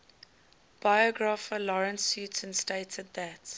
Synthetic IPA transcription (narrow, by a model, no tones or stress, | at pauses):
b̥ajɔɡɹafəlɔɹə̃nsjʉtə̃nsteɪtʰəd̪̚ðæt